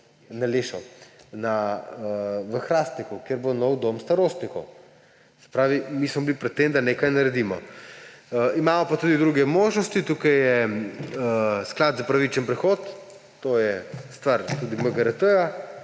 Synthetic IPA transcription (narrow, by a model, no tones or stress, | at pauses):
naleʃɐ̰wnaəʋəxɾaːst̪nikukjeɾbonɔwd̪omst̪aɾost̪nikɔw | sɛ̥pɾaːʋimismɔblipɾɛt̪ːemd̪anekajnɐɾɛd̪iːmɔ | imaːmɔpat̪uːd̪id̪ɾuɡɛmoʒnɔst̪it̪uːkajːɛ | sklad̪zapɾaʋit͡ʃɛnpɾɛxot̪ː | ojɛst̪ʋaɾt̪uːd̪iməɡɐɾɐt̪əja